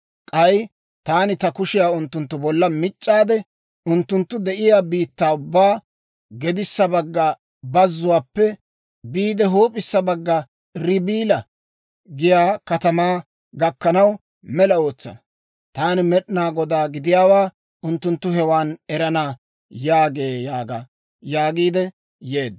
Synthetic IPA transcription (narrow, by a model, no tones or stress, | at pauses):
kʼɐj | t̪aːnɪt̪ɐkʊʃɪjaːʊnt̪ːʊnt̪ːʊbɔlːɐmɪt͡ʃʼːaːd̪ɛ | ʊnt̪ːʊnt̪ːʊd̪ɛʔɪjaːbiːt̪ːaːʊbːaː | ɡɛd̪ɪsːɐbɐɡːɐ | bɐzːʊwaːpːɛ | biːd̪ɛɦoːpʼɪsːɐbɐɡːɐ | ɾɪbiːlɐ | ɡɪjaːkɐt̪ɐmaː | ɡɐkːɐnɐw | mɛlɐo̞ːt͡sːɐ̰nɐ | t̪aːnɪmɛɗnaːɡɔd̪aːɡɪd̪ɪjaːwaː | ʔʊnt̪ːʊnt̪ːʊɦɛwaːnɛɾɐnaː | jaːɡe̞ːjaːɡa̰ | jaːɡiːd̪ɛ | jeːd̪ː